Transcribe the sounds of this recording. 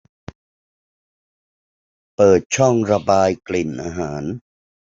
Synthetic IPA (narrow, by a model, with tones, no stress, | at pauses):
pɤː˨˩t̪̚t͡ɕʰɔ˥˩ŋɾa˧baː˧jkli˨˩nʔaː˧ɦaː˩˦n